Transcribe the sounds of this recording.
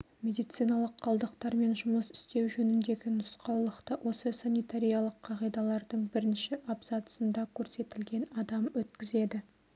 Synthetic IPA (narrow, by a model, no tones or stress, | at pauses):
mʲe̞d̪ijt̪sijnɑlˠəqʰːɑlˠd̪əqt̪ɑɾme̞nʒʊməsɪ̥st̪e̞wʒɵnɪnd̪e̞ɡʲɪnʊsqʰɑwlˠəqt̪əwʔo̞səsanʲijt̪aɾʲijɑlˠəqʰɑʁijd̪ɑlˠɑɾd̪əɴbɪɾɪnʃɪʔɑpzɑt̪ə̥sənd̪ɑkʲʰɵɾse̞t̪ɪlɡʲe̞nɑd̪ɑmwɵt̪kʲɪze̞d̪ɪ